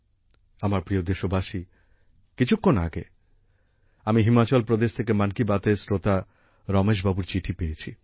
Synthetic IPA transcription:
amaɾpɾiod̪eʃobaʃi | kit͡ɕʰukʰːona̰ɡḛ | amiɦimat͡ɕɔlpɾod̪eʃt̪ʰekemankibat̪eɾsɾot̪a | ɾɔmeʃ̬babuɾt͡ɕiʈʰipejet͡ɕʰi

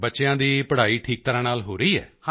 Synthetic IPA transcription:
bətːʃeãːd̪iːpəɽ̤aːiːʈʰiːk̚t̪əɾãːnaːlɦoːɾəiːɛ̰ːha

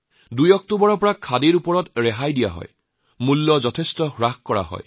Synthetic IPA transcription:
dujɔk̚tobɔɹɔpɔɹakʰadeɹupɔɹɔtɹɛɦajdija̰ɦɔ̰j | mulːɔzɔtʰestɔxɹaxkɔɹa̰ɦɔ̰j

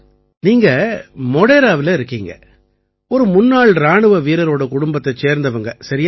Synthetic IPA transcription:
niːŋɡɐmɔɽeːɾaːʋɪlɐɪɾɯkːiːŋɡɐ̰ | ɔɾɯmʊnːaːɭɾaːɳɯʋɐʋiːɾɐɾoːɽɐkʊɽʊmbɐt̪ːɐt͡ʃeːɾnd̪ɐʋɐŋɡɐsɐɾɪj

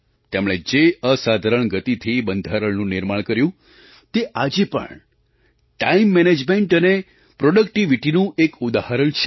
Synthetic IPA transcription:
t̪emɭ̃ed͡ʒeəsad̪ʱaɾəɳɡət̪it̪ʰibənd̪ʱaɾəɭnũnɪɾmaɳ̃kəɾjũ | t̪eʔad͡ʒepə̰ɳ | ʈaimːɛned͡ʒmeɳʈəne | pɾɔɖəkʈiʋiʈinũʔekud̪ahaɾəɳt͡ʃʰe̥

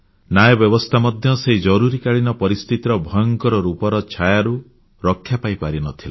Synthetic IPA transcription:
najɔbjɔbɔst̪ʰamɔd̪ʱjɔseɦid͡ʒɔɾuɾikaɭinɔpɔɾist̪it̪iɾɔbʱɔjɔŋkɔɾɔɾupɔɾɔt͡ʃʰajaɾu | ɾɔkʰːjapajpaɾinɔt̪ʰile

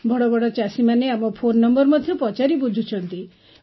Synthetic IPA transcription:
bʱɔɽɔbɔɽɔt͡ʃasimaneamɔpʰonːɔmbɔɾmɔd̪ʱjɔpɔt͡ʃaɾibud͡ʒʱut͡ʃʰɔnt̪i

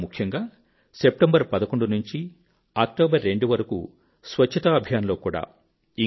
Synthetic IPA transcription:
mukʰjɐŋɡaː | sep̚ʈɐmbɐɾpɐd̪ɐkoɳɖunuɲt͡ʃi | aːk̚ʈoːbɐɾːe̞ɳɖuʋɐɾɐkṵ | sʋɐt͡ʃʰːɐt̪aːbʱjaːnɐlo̞ːkuːɽa̰ː | i

